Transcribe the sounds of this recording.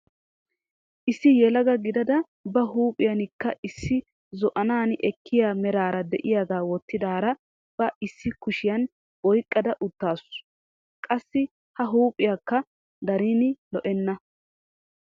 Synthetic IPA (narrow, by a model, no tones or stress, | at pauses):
ʔɪsːɪjɛlɐɡɐɡɪd̪ɐd̪ɐ | bɐɦuːpʼɪjɐnɪkːɐʔɪsːɪ | zɔʔɐnaːnʔɛkʰːɪjaːmɛɾaːɾɐd̪ɛʔɪjaɡaːwɔt̪ːɪd̪aːɾɐ | b̥ɐʔɪsːɪkʊʃɪjɐn | wɔjkʼːɐd̪ɐʔʊt̪ːaːsʊ | kʼɐsːɪ | hɐɦuːpʼːɪjɐkːɐ | d̪ɐɾiːnɪlɔʔɛnːɐ